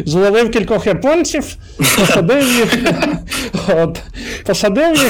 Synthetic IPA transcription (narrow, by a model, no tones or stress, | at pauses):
zlˠɐʋɪwkʲilʲkɔxjɐpɔnʲt͡sʲiw | pɔsɐd̪ɪwjix | ot̪pɔsɐd̪ɪwjix